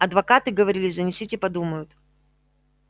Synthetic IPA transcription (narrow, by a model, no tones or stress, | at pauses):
ɐd̪vɐkat̪ɨɡəvɐɾʲilʲɪzənʲɪsʲitʲɪpɐd̪uməjʊt̪